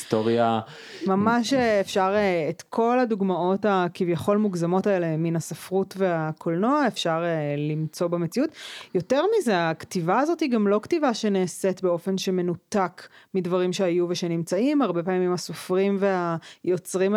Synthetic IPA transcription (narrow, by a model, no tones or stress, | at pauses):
stoʁja | mamaʃeːfʃaʁeet̪kʰo̞laduɡmao̞takivjaχo̞lmuɡzamo̞taele̞minasafʁutve̞akʰolno̞aefʃaʁelimt͡so̞bemet͡siutjo̞teʁmizeaktivaːzo̞thiɡamlo̞ktivaʃeneːsetbe̞o̞fe̞nʃe̞me̞nutakmidvɐʁimʃeajuveʃenimt͡saimaʁbe̞paːmmimaso̞fʁimve̞ajo̞t͡sʁim